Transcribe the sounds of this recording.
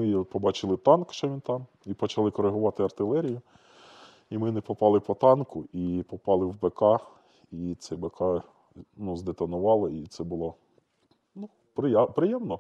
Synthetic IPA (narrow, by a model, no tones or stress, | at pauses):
mɪjɛpɔbɑt͡ʃɪlˠɪt̪ɑnkʃt͡ʃɔʋʲint̪ɑm | ipɔt͡ʃɐlˠɪkɔɾeɦʊʋɑt̪ɪɐrt̪ɪlˠɛɾʲijʊ | imɪnɛpɔpɑlˠɪpɔt̪ɑnkʊipɔpɑlˠɪwbekɑ | it̪sɛbekʰɑ | nuzd̪et̪ɐnʊʋɑlˠɪit̪sɛbʊlˠɔ | nu | pɾɪpɾɪjɛmnɔ